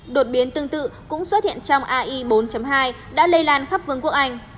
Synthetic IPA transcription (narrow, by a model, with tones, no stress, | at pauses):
ɗo˨˩t̚ɓi˨˦ənt̪ɨ˧əŋt̪ɨ̰˧˨kʊ̰˧˥ŋ͡mswə˦˥t̚hḭ˧˨ənt͡ɕɔ˧wŋ͡mʔaː˧ʔi˧ɓo˨˦nt͡ɕə˨˦mɦaː˧j | ɗa̰ː˧˥lə˧jlaː˧˩nxa˦˥p̚vɨ˨˧əŋku˦˥ək̚ʔa˧jŋ̟